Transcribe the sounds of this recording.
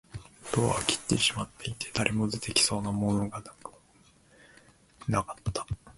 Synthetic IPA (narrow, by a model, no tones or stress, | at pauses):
d̪̥o̞ːa̰kʲi̥t̪ːe̞ɕimat̪ːe̞it̪ʰe̞d̪aɾʔe̞mo̞zɨt̪e̞kʲi̥so̞ːnamo̞no̞ɡanak | nakḁt̪ːḁ